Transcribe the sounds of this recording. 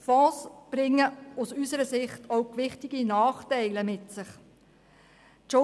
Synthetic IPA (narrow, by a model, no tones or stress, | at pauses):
fɑːsb̥ɾɪŋːəusysəɾəsɪχtʰowkʋɪχtɪɡinɑːχtɛɪləmɪtsɪχ | t͡ʃo